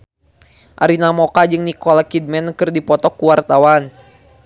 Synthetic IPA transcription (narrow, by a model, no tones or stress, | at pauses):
ʔaɾinamokad͡ʒɨŋnikɔlakid̚mɛnkɨrdipɔt̪ɔkːuwart̪awan